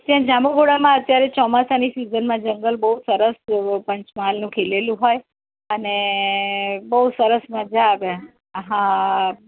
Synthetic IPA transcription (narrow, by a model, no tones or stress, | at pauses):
t̪jãd͡ʒamoɡoɽamãət̪jaɾet͡ʃɔmasanisizənmãd͡ʒəŋɡəlbəɦusəɾəspəɲt͡ʃmalnũkʰelelũɦoj | əne | bəusəɾəsməd͡ʒaːʋe | ɦã